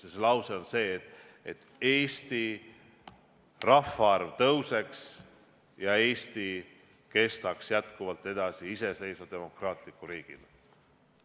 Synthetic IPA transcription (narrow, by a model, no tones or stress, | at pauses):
seselɑwseo̞nse̞ːet̪ːˑ | et̪ː | e̞ːst̪i | rɑfːɑɑrvt̪ɤwse̞ks | jɑe̞ːst̪i | ke̞st̪ɑksjæt̪kuvɑlt̪ːˑe̞d̪̥ɑsiise̞se̞jsvɑd̪̥e̞mo̞krɑːt̪ˑlikːˑuɾiːɡ̥ḭl